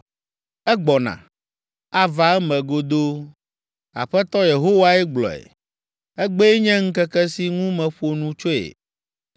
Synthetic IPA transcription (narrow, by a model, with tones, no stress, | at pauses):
ɛ˦ɡ͡bɔ˨nã̰˨ | a˦va˨ɛ˦mɛ̃˨ɡo˦d̪o˦ | a̰˨ɸɛ˦t̪ɔ˦je˨ɦo˦wa˦ɛ˦ɡ͡blɔ̰˨ḛ˨ | ɛ˦ɡ͡be˦e˦ɲɛ̃˦ŋ̩˦kɛ˦kɛ˦si˦ŋũ˦mɛ̃˨ɸo˦nũ˦t͡ʃo˦ḛ˨